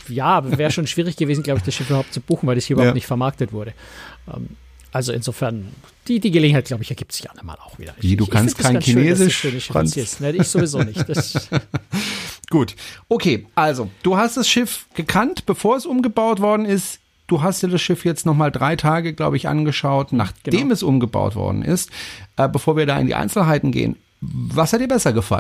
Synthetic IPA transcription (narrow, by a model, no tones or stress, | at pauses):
jaːvɛːʁəʃoːnʃv̥iːʁɪçɡ̥əveːzn̩ɡlaʊbəɪçd̥asʃɪfybɐhʊp̚t͡sub̥uːxn̩vaɪlɐshiɐʔybɐhʊtnɪçtfɛɐmaɐk̚tətv̥ʊɐɾəʔɛ̰ːm | ʔalzoʔɪ̰nzoːfɛɐn | d̥iːdiːɡəleːɡŋ̩haɪɡ̥laʊbəɪçɛɐɡiːptz̥ɪ̥ça̰nanma̰ːlaʊxv̥iːdɐ̰nɛduːkʰansɪntkaɪɡankiʃnøeːzɪʃsøːnəfʁa̰nt͡sesnəɪçz̥oːvizoːnɪçtd̥as | ɡ̥uːtʔokʰeːʔalzod̥uːɦast̚d̥asʃɪfɡ̥əkʰantb̥əfoːɐɛsʔʊmɡəbaʊtv̥ɔɐdn̩ɪst | d̥uːɦastjaːdasʃɪfjɛt͡stnɔχmaːldʁaɪtʰaːɡəɡla̰ʊbəɪçʔa̰nɡəʃaʊtna̰ːχd̥eːmɛsʔʊmɡəba̰ʊtv̥ɔ̰ɐdn̩ʔɪ̰stʔɛːbəfoːɐviːɐɾaːɪ̰ndḭʔa̰ɪnsl̩ɦaɪtn̩ɡḛːə̰n | vashatdiːɐbɛsɐɡəfa̰ln